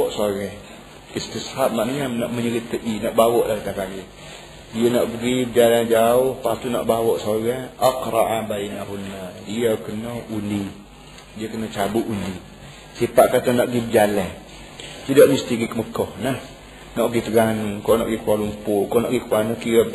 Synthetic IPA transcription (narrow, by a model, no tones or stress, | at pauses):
ɔʔsoɾɛh | ist̪ishap̚maʔniamnaʔməɲəɾit̪əʔinaʔbawɔʔlakət̪akaɡi | diənaʔbəɡibəd͡ʒalad͡ʒaʊhpat̪una̰ʔbawɔʔsoɾɛaqɾa̰ʔabainahunːadiakənoundi | diəkənot͡ʃabʊʔundi | sipaʔkat̪anaʔɡibəd͡ʒala | t̪idoʔmist̪iɡikəməkɔhnah | naʔɡit̪əɡanukona̰ʔɡikualumpʊkonaʔɡikuanukiɾəb̚